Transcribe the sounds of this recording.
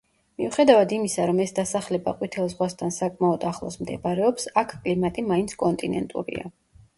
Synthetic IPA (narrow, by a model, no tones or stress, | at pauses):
miuχɛd̪avad̪imisaɾɔmɛsd̪asaχlɛba̰qʼwit̪ʰɛlˠzʁwast̪ʰansakʼmaɔd̪aχlˠɔ̰smd̪ɛ̰baɾɛɔpsakʰkʼlimat̪ʼimaint̪sʰkʼɔnt̪ʼinɛ̰nt̪ʼṵɾḭa̰